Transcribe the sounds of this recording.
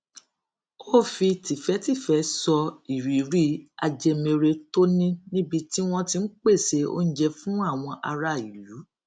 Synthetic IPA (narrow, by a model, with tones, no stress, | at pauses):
o˦˨fi˧ti˨fɛ˨˦ti˦˨fɛ˨˦sɔ˧i˨ɾi˨ɾi˦a̰˧d͡ʒe˧me˧ɾe˧to˦nĩ˦nĩ˦bi˧ti˦w̃ɔ̃˦tĩ˧n̩˦k͡pe˦˨se˧o̰˦n̩˦d͡ʒɛ˧fũ˦a˦˨w̃ɔ̃˧ʔa˧ɾa˦˨i˨ju˨˦